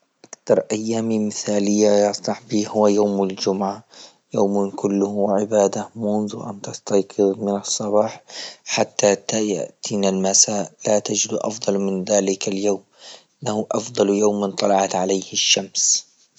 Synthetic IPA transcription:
ʔʔakt̪ɑɾˤʔajːaːmimɪθaːlɪjːajɑsˤlɑħbiːhʊwːajaːmɪld͡ʒʊmʕa | jaːmnkʊlːʊhʕɪbaːd̪amʊnðuʔa̰nt̪ɑst̪ɑjqɨðmɪnɑsˤːɑbɑːħħat̪ːat̪aja̰ʔt̪ʰinalmasaːlat̪ad͡ʒɪd̪ʔɑ̰fd̪ˤɑlmɪnðaːlɪkaljoːmʔʔɪnːahʊʔɑfd̪ˤɑljaːmɪnt̪ˤɑlɑʕɑt̪ʕalajhɪʃːams

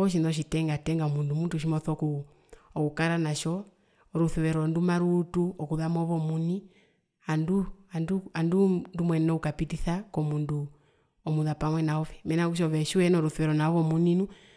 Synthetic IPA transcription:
ɔʃ̬inðɔʃ̬itɛŋɡatɛŋɡaɔmundumuntuʃ̬imɔθɔku | ɔkukaɾanaʃɔ | ɾuθuwɛɾɔndumaɾutuɔkuðamɔβɔmuni | anduanduandundumwɛnɔukapitiθakɔmundu | ɔmuðapamwɛnaɔβɛmɛnakuʃ̬ɔβɛʃiwɛnɔɾuθuwɛɾɔnaɔβɔmuninu

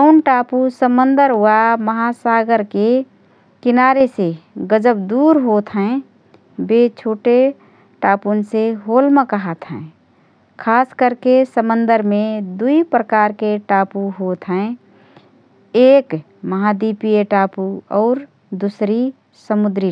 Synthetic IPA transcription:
əʊnʈaːpusəmənd̪əɾaməɦasaɡəɾke | kɪnaːɾeseɡəd͡ʒəb̚d̪uːɾɦot̪ʰɦɛ̃ | bet͡ʃʰoːʈe | ʈaːpunseɦoːlmekəɦət̪ɦɛ̃ː | kʰaːskəɾkesəmənd̪əɾmẽd̪uipɾəkaːɾkeʈaːpuɦoːt̪ʰɦɛ̃ | eːk | məɦad̪ipieʈaːpuɔːɾ | d̪usɾi | səmʊd̪ɾi

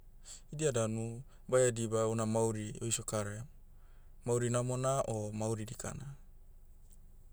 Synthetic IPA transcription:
idiadanu | bajadibaunamawɾiojsokaɾe | mawɾinamonaʔomawɾidika̰na

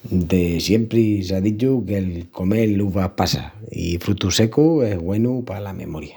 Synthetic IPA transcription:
d̪e̞sje̞mpɾis̬aðit͡ʃuke̞lko̞me̞ːuβapasa̰ḭfɾut̪use̞kue̞ɦɣwe̞nupalame̞̰mo̞ɾja

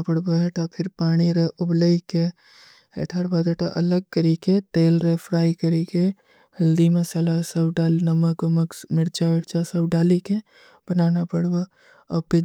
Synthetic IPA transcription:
pəɽboɦɛʈapʰɪɾpaːɽ̃iɾəʊbləike | ḛʈʰaɽbad̪eʈaʔɐləɡ̚kəɾiket̪eːlɾəpʰɾaːikəɾike | hɐld̪imẽsɐlasəbɖaːlnəməkəməksmɪɾt͡ʃamɪɾt͡ʃasəbɖaːlike | b̥ənaːnapəɽbo | əpɪ

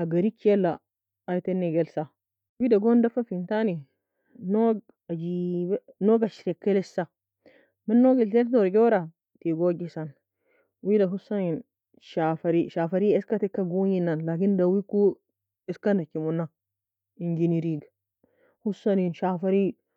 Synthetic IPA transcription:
aɡaɾikelːaː | jtenːeɡelsa | widaɡondafafintani | noɡ | ad͡ʒibnoɡaʃiɾekːelesa | menːoɡilteldoɾɡoɾa | tiɡoɡisan | widaɦusanin | ʃafaɾiʃafaɾieskatekːaɡuɲinːanlakindawiku | eskanakimunːa | ind͡ʒiniɾiɡ | husaninʃafaɾi

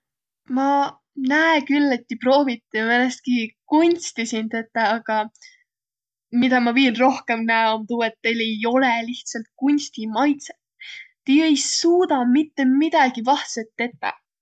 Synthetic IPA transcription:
mɑ | næekylːet̪ːipro̞ːvit̪ːimenest̪̚kikunʲst̪isint̪et̪ːˑɑɑɡ̥ɑ | mid̪̥ɑmɑviːnro̞hke̞mnæeomt̪uːet̪ːe̞jle̞jo̞le̞liht̪sɑlt̪̚kunʲst̪imɑjt̪set̪t̪ijejsuːd̪̥ɑmit̪ːe̞mid̪̥ɑɡ̥ivɑht̪set̪ːe̞t̪ˑːɑ̰

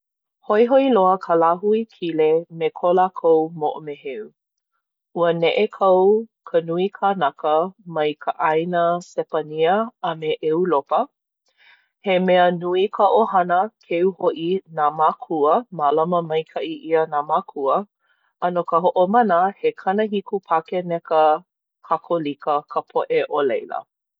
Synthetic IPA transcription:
hojɦoiloəkʰəlaɦuikʰilemekʰolakʰowmoʔomeheu | uənɛʔekʰɐwkʰənuikʰanakəmɐjkʰəʔajnəsɛpaniəɐmeʔeulopə | hemɛənuikʰəʔohɐnəkʰeuhoʔinamakʰuəmalɐməmɐjkʰɐʔiʔiənamakʰuə | ʔɐnokəɦoʔomɐnəhekʰɐnəɦikupʰakenɛkə | hʰakʰolikəkʰəpʰoʔeʔolejlə̰

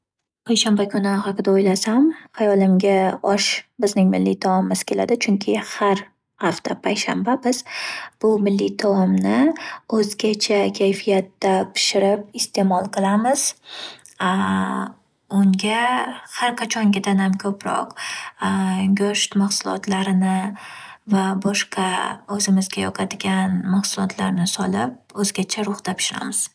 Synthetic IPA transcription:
pʰajʃambakʰʲʊnɪhɑqɨd̪aojlasamhɑjɒlˠɪmɡʲaɒʃbɪznɪŋmɪlːḭt̪ʰɒmmɪz̥kʲʰe̞la̰d̪ɪt͡ʃʰʊŋkʲʰɪhaɾ | haft̪ʰapʰajʃambabɪz̥b̥ʊmɪlːit̪ʰɒmnɪɵzɡʲat͡ʃʰakʲʰajfijat̪ːapʰɪ̥ʃɪɾɪp̚ɪst̪ʰe̞mɒlˠqʰɨlˠamɪz̥ | ʊŋɡʲahaɾqʰat͡ʃʰɒŋɡʲad̪anhamkʲʰɵpɾɒ̰q | ɡʲoʃt̪maχsʊlˠɒ̰t̪ʰlaɾɪnɪ | vabɒʃqɑɵzɪmɪzɡʲajɒqʰɑd̪ɪɡʲanmaχsʊlˠɒt̪ʰlaɾnɪsɒlɪp̚ɵzɡʲat͡ʃʰaɾʊχd̪apʰɪ̥ʃɪɾa̰mɪz̥

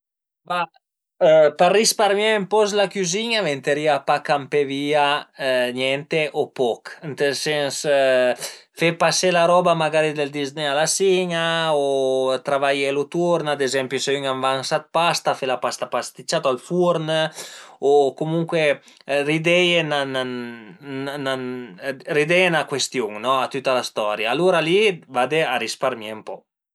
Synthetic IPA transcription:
va | parːispaɾmjɛəmpɔslakyziɲavent̪eɾiapakampeviːaɲɛnt̪eʔopɔkənt̪elsɛns | fepaselaɾɔbamaɡaɾid̪eld̪iznealasiɲaot̪ɾavajelut̪uɾnad̪ezɛmpjuseyŋamvansat̪̚past̪afelapast̪apast̪it͡ʃat̪oalfuɾn | okomuŋkwe | rid̪ɛjenana | nanrid̪ɛnakwest̪juŋnɔat̪ut̪ːalast̪ɔɾjaːluɾalivad̪eaɾispaɾmjɛmpɔ̰

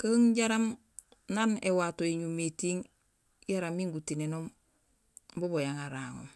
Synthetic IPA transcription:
kaŋɟaɾam | nanewatoeɲumetiŋ | jaɾamiŋɡutinenom | bobojaŋaɾaːŋo̰m

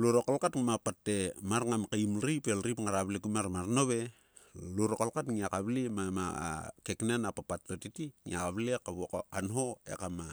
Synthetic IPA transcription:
luɾokalkatŋumapatːe̞maɾŋamkeimɾipelɾipŋaɾaβlekumaɾmaɾno̞βe | luɾokalkatŋiakaβlimama̰keknenapapatːotitiŋḭakaβlekaβokkanɦo̞ḛkama

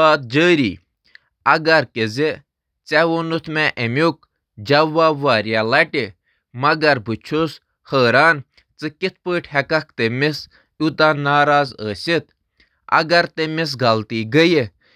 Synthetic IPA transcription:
aːt̪̚d͡ʒəːɾiː | ɐɡɐɾkəzi | t͡sɛʋonut̪ʰmɛʔəmʲuk̚ | d͡ʒɐʋːaʋaːɾjalɐʈi | mɐɡɐɾbʱut͡ʃʰus | həːɾaːn | t͡sɨkit̪̚ʰpəːʈʰhɛkɐk̚ʰt̪emɪs | ut̪anaːɾaːzəːsʲit̪ | ɐ̰ɡɐɾt̪emɪs̬ɡɐlt̪iːɡəji

